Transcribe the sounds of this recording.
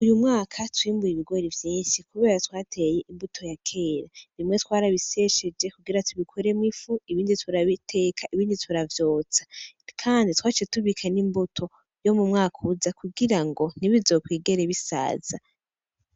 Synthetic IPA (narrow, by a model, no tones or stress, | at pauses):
ujumŋaːkʰatwiːmbujiβiɡo̞ɾivjiːnʃikuβe̞ːɾatwaːtʰe̞je̞ʔimbutʰo̞jakʰe̞ːɾaβimŋe̞twaːɾaβise̞ʃed͡ʒe̞kuɡiɾatʰuβikʰoɾe̞mŋifuiβiːnditʰuɾaβitʰe̞ːkʰaʔiβiːnditʰuɾavjo̞ːt͡sḁkʰaːnditwaːt͡ʃetuβikʰanimbutʰo̞ | jo̞mumŋaːkʰuzakuɡiɾaŋɡo̞niβizo̞ːkwiːɡe̞ɾeβisa̰ːz̥a